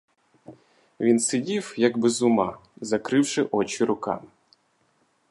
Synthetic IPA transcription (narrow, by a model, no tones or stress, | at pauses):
ʋʲinsɪdʲiwjɐɡbɛzʊmɑzɐkɾɪwʃɪʔɔt͡ʃʲiɾʊkɑ̰m